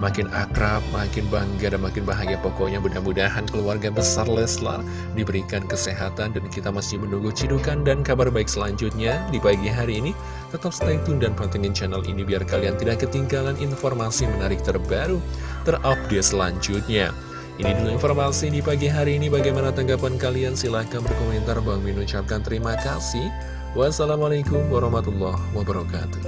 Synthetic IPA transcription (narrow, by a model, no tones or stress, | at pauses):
makɪna̰kɾap̚makɪnbaŋɡadanmakɪnbaɦaŋɡiapokɔɲabudaɦnbudaɦankəluarɡabəsarlɛsla̰ | dibəɾikankəseɦat̪andankit̪amasɪhmənuŋɡut͡ʃidukandankabarbaɪk̚səlaɲd͡ʒʊt̪̚ɲadipaɡiɦaɾiːni | t̪ət̪ap̚sət̪at̪uŋdanpant̪əŋɛnt͡ʃɛnalʔḭnibiarkaliant̪idaʔkːət̪iŋɡalanʔinfɔrmasimənaɾɪk̚t̪ərbaɾut̪ərʔap̚desəla̰ɲd͡ʒʊt̪̚ɲa̰ | ʔiniduluinformasidipaɡiɦaɾiːnibaɡajmanat̪aŋɡapankaliansilahkanbərkoment̪arbaŋminut͡ʃap̚kant̪əɾimakasih | wasalamalakʊmwaɾɑhmat̪ulːɔhwabəɾɔka̰t̪u̥